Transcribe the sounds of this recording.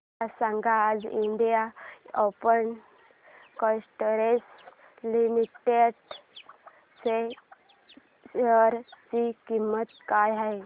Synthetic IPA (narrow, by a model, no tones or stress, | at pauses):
asãŋɡaːd͡ziɳɖijaopən | kɔsʈəɾes | limiʈeɽ | se | əɾt͡ɕikimːət̪kajɦaɦe